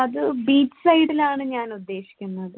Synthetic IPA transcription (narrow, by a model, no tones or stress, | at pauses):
ɐðɨbiːt͡ɕːɨ̥sɐjɽilaːɳɨɲaːnud̪ːe̞ːɕi̥kʲːunːɐðɨ